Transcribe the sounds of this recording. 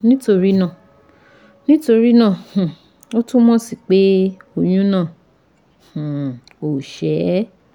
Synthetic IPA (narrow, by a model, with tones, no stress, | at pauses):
nĩ˦to˧ɾi˦nã˦˨ | nĩ˦to˧ɾi˦nã˦˨h̩˨ | o˦tũ˦mɔ̃˦si˨k͡pe˦o˧j̃ũ˦nãː˦˨ | h̩˨ | o˨ʃɛ˨˦